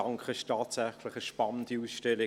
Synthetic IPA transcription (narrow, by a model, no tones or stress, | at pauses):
ɑŋkχəʃtʰaːtsæχlɪχəʃpɑnənd̥iuːsʃtɛlɪ